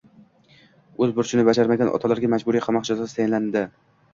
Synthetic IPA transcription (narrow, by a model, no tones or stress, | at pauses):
ɵzbʊɾt͡ʃʰɪnɪbad͡ʒaɾmaɡʲanʔɒ̰t̪ʰalaɾɡʲamad͡ʒbʊɾiqʰɑmɒqd͡ʒazasɪt̪ʰajɪnland̪ɪ